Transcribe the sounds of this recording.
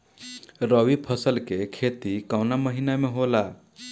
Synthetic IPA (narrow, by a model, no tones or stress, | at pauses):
ɾʌwipʰʌsəlkekʰet̪ikawnamʌɦinameɦola